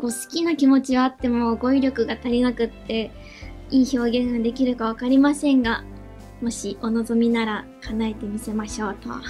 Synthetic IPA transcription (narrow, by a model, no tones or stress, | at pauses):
ko̞sɨ̥kʲinakʲimo̞t͡ɕiβaːt̪ːe̞mo̞ːɡo̞iɾʲjo̞kɯ̟ɡat̪aɾʲinakɯ̟t̪ːe̞ | iːço̞ːɡẽ̞ŋɡad̪e̞kʲiɾɯ̟kaβ̞akaɾʲimasẽ̞ŋɡa | mo̞ɕiʔo̞no̞zo̞mʲinaɾakanae̞t̪e̞mʲise̞maɕo̞ːt̪o̰